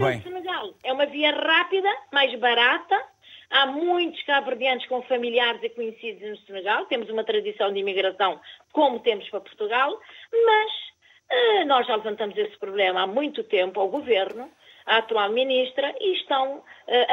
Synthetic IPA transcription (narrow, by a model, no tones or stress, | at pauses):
sɨnɨɣalˠɛumɐviɐʁapiðɐmajʒβɐɾat̪ɐ | amũj̃t̪u̥ʃkaβɨɾðjɐ̃nt̪ʃkõfɐmilˠiaɾzikuɲsiðuznusɨnɨɣalˠt̪emuzumɐt̪ɾɐðisɐ̃w̃d̪imiɣɾɐsɐ̃w̃komut̪emʊʃpɾɐpu̥ɾt̪uɣalˠmɐʃ | ɛnɔʒːalˠɨvɐ̃nt̪ɐmuzespɾuβlˠemɐamũj̃t̪ut̪ẽmpuawɣuveɾnu | aɐt̪ualˠminiʃt̪ɾɐiʃt̪ɐ̃w̃ɛ